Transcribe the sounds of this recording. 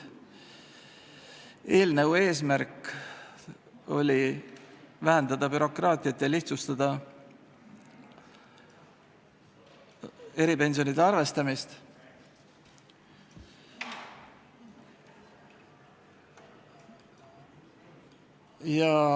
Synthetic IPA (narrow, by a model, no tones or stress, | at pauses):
e̞ːlneue̞ːs̬mæɾkːˑ | o̞̰lʲi | væɦænd̪̥ɑd̪ɑbyɾo̞krɑːt̪ʲˑiɑt̪ːˑjɑliht̪sust̪ɑd̪̥ɑ | e̞ɾipe̞nʲs̬ionid̪eɑɾrve̞st̪ɑmist̪ | jɑ